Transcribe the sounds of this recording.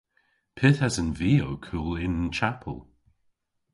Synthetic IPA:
pʰɪθazənviːowkʰuːlɪnənt͡ʃapʰə̰lˠ

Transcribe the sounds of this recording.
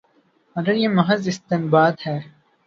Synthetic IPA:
ɐɡəɾjeːmɐɦɐzɪst̪ɪnbaːd̪hɛː

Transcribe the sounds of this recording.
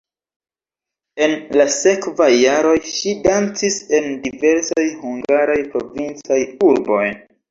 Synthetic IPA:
e̞nlase̞kvajːaɾo̞jʃidant͡sise̞ndive̞ɾsajhuŋɡaɾajpɾo̞vint͡sajuɾbo̞j

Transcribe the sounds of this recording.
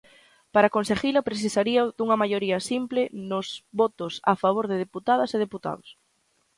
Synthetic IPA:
paɾakonseɣilapɾeθ̬isaɾiad̪uŋɐmajoɾiɐsimplenʊzβɔt̪ʊsafaβ̞oɾðeðeput̪að̞ɐseð̞eput̪a̰ðʊs

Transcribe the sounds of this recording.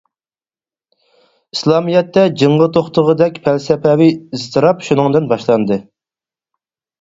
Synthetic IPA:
islˠɑmijɛt̪ːɛd͡ʒɨɴʁət̪ʰoχt̪əʁəd̪ɛkʲpʰælsɛpʰɛwiizt̪ʰɨɾɑpʃunɨŋd̪ɨnbɑʃlˠɑnd̪ɨ

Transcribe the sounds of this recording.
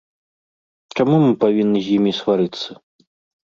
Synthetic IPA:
t͡ʂamumɨpavʲinːɨzʲjimʲisvaɾɨt̪sːɐ

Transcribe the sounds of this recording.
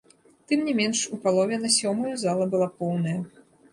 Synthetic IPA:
t̪ɨmnʲɛmʲɛnʂupalˠɔvʲɛnɐsʲɔmɐjɐzalˠɐbɨlˠapɔwnɐjɐ

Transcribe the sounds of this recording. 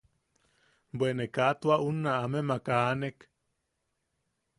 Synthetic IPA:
bwenekat̪waʔunaːmemakanek

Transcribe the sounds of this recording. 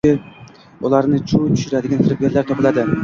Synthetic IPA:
ɪ | ʊlˠɑɾnɪt͡ʃʰut̪ʰy̥ʃɪɾad̪ɪɡʲanfɪɾɪp̚ʲeɾlːaɾt̪ʰɒpɪlad̪ɪ

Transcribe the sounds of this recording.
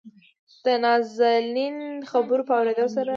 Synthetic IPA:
d̪̥ənɑzalinxabəɾopəawɾed̪əlosaɾa

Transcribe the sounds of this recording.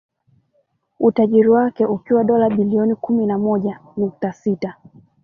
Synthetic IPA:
utaʄiɾiwakɛukiwaɗɔlaɓiliɔnikuminamɔʄanuk̚tasita

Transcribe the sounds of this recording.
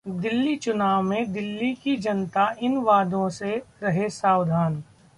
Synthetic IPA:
d̪ɪlːit͡ʃʊnaːʋmẽd̪ɪlːikid͡ʒɐnt̪aɪnʋaːd̪ʱõseɾɐɦesaːwd̪ʱaːn

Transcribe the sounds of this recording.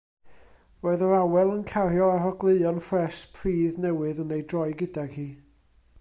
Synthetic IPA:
roːɨðəɾawɛlˠənkʰarjɔaɾɔɡlˠeɨɔnfrɛspʰriːðnɛwɨðənejdrɔɨjɡɪdaɡ̥hiː

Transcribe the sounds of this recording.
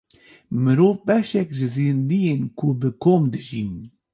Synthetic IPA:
mɨɾoːvbɛʃɛkʒɨziːnd̪ijenkʰubɨkʰoːmd̪ɨʒiːn

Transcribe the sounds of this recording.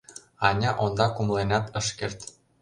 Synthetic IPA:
ɑnʲɑʔond̪ɑkumlenɑt̪ɤʃkert̪

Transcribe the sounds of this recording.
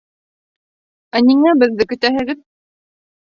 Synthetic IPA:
æniŋæbɘðːɘkɵ̆t̪æɦɘ̆ɣɘð

